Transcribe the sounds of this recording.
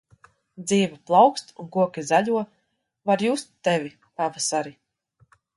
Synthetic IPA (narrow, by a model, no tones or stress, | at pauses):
d̪ziːvɛplˠawkst̪unkuɔkʲizaʎʲuɔ | vaɾjuːst̪ːevʲi | pavasaɾi